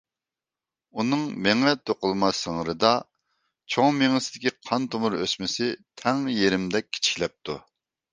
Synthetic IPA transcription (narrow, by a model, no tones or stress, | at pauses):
unɨŋmeŋɛt̪ʰoqʊlˠmɑsəŋəɾɨd̪ɑ | t͡ʃʰoŋmeŋɨsɪd̪ɪkʲiqʰɑnt̪omuɾøsmɪsɪt̪ʰɛŋjeɾɪmd̪ɛk̚ʲʰːi̥t͡ʃʰi̥kʲlɛp̚t̪ʰu